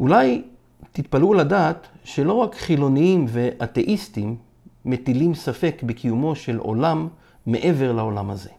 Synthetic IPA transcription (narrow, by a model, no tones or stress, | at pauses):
ʔulaj | t̪it̪paluladaːt̪ʃe̞lo̞ʁakχilo̞niimve̞ʔat̪e̞ʔist̪imː | et̪ilimsafe̞kbekʰijumo̞ʃe̞lʔo̞̰lamː | e̞̰ʔe̞ve̞ʁlao̞lamhaze̞̰